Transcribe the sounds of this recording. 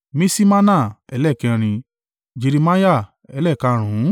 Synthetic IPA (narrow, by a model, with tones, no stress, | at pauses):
mĩ˦si˦mã˦nã˦˨ɛ˧˦lɛ˦˨kɛ̃˧ɾ̃ĩ˧ | d͡ʒe˧ɾi˧ma˦ja˦˨ | ɛ˧˦lɛ˦˨kã˧ɾ̃ũ˨˦